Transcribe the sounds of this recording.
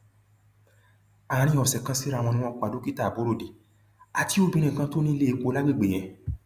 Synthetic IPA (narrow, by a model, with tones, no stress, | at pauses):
a˨˧ɾĩ˧˦ɔ˨sɛ˨kã˧˦si˦ɾa˦˨w̃ɔ̃˧nĩ˦w̃ɔ̃˧ko˧a˨do˨˦ki˦ta˦˨bo˨˦ɾo˦˨di˨ | a˨ti˨˦o˦˨bĩ˧ɾ̃ĩ˦˨kã˧˦to˦nĩ˦˧le˦i˧ko˧˦la˦ɡ͡bi˦˨ɡ͡be˨j̃ɛ̃˧